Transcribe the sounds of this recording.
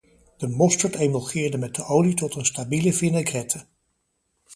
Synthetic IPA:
d̥əmɔstəɹtejməlˠχɪːɹdəmɛt̚dəʔowlitɔtənstabiləfinaɡrɛtʰə

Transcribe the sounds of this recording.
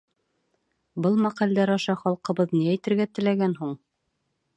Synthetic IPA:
bɤlˠmæqæld̪æɾɑʃɑχɒlˠqɤ̆βɤðniæjt̪ɘ̆ɾɡæt̪ɘ̆læɡænɦuɴ

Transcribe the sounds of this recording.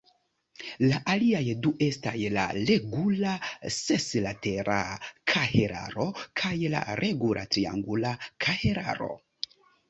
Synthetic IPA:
laʔaliajduʔe̞stajla̰le̞ɡulaseslateɾʔakʰaheɾa̰ɾo̞kʰajla̰ɾʔe̞ɡulʔa̰tɾia̰ŋɡulakʰahe̞ɾa̰ɾo̞̰

